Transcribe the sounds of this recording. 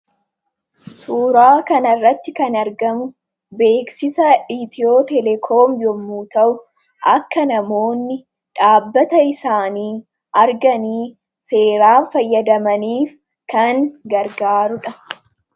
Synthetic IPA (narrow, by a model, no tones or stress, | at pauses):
suːɾaːkɐnɐrːɐt̪ːɪkɐnɐɾɡɐmʊ | be̞ːksɪsɐᶑit̪ɪo̞ːt̪ɛlɛkʰoːmjɔmːuːt̪ɐʔʊ | ʔɐkːɐnɐmo̞ːnːɪ | ᶑaːbːɐt̪ɐɪsaːniː | ʔɐɾɡɐniː | se̞ːɾaːnfɐjːɐd̪ɐmɐniːf | kɐŋɡɐɾɡaːɾʊᶑɐ